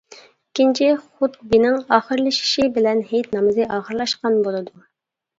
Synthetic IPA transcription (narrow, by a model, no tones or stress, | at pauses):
ikʲint͡ʃʰɪχut̪̚binɪŋɑːχəɾlˠɨʃi̥ʃibɪlɛnɦejt̪nɑmɨzɨʔɑːχəɾlˠɑʃqɑnbolˠɨd̪u